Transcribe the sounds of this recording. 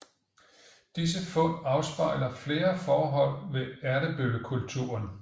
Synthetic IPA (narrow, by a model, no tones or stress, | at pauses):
d̥is̬əfɔ̽ɑ̈ʊsb̥ɑ̈ɪ̰lɐfle̝ːɐfɒːɦɒ̽l̰ʋe̝æɐɾəb̥øləkʰult͡sʰṵɐn